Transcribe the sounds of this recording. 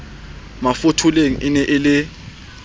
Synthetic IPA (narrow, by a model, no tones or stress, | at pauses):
mafotʰuleŋ̩ʔɪnɛʔɪlɪ